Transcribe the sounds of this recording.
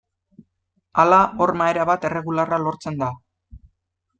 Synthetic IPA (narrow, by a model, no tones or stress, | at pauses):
alaʔo̞rmaeɾaβat̪e̞re̞ɣularalo̞ɾt͡se̞nd̪a